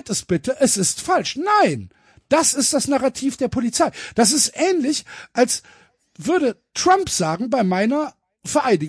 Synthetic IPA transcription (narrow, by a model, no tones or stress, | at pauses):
tɛsb̥ɪtəʔɛsɪstfalʃnaɪn | d̥asɪst̚d̥asnaʁatʰiːfd̥eːɐpʰolit͡saɪd̥as̬ɪstʔɛːnlɪçʔals | vʏɐɾətʁ̥ampz̥aːɡŋ̩baɪmaɪnɐ | fɛɐʔaɪdɪ